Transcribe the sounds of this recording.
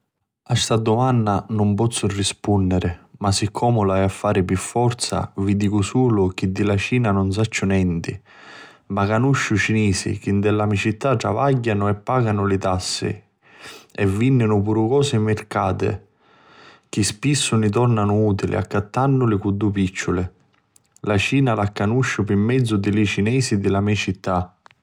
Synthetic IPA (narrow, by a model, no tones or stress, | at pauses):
ast̪ad̪ʊmanːanʊmpɔt̪sːʊrːispunːɪɾɪmasːɪkʰːɔːmʊlaɛafːaːɾɪpifːɔɾt̪sa̰vid̪iːkʊsuːlʊk̟id̪ːilat͡ʃiːnanʊns̬at͡ʃːʊnɛnt̪ɪ | makanuʃːʊt͡ʃiniːsɪ̰k̟ind̪ɛlamit͡ʃit̪ːaʈɾa̰vaɟːanʊɛpːaːɡanʊlɪt̪asːɪ̰ | ɛvːinːɪnʊpuɾʊkɔːsɪmɪrkaːt̪ɪ̰ | k̟ɪspisːʊnɪt̪̬ɔrnanʊuːt̪ilʔɪ̰a̰kːat̪ːanːʊlɪkud̪ːupit͡ʃːʊlɪ | lat͡ʃiːnalakːanuʃːʊpɪmːɛd̪zːʊd̪ɪlɪt͡ʃinɛːsid̪ɪlamit͡ʃit̪ːa